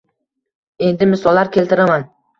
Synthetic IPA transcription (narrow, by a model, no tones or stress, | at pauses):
e̞nd̪ɪmɪsɒlːaɾkʲʰe̞lt̪ɪɾaman